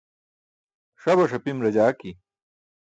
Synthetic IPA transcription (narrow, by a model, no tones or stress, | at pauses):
ʂɐbɐʂɐpimɾɐd͡ʑaːki